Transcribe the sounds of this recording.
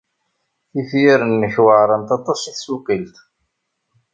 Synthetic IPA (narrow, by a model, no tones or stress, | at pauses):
θifjiɾənːəçwəʕɾˤɑnt̪ɑt̪ˤɑsiθsuqilt̪